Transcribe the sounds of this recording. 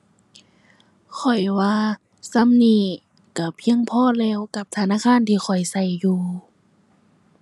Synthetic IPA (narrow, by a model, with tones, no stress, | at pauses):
kʰɔ˨˩jwaː˧ | sa˧˥˨mniː˧˥˩ | ka˧˩pʰi˧˥˨əŋpʰɔː˧˥˨lɛː˧˩˨wka˧˦p̚t̪ʰa˧naː˧˥˨kʰaː˧˥˨nt̪ʰiː˧xʰɔ˨˩jsa˧˩jːuː˧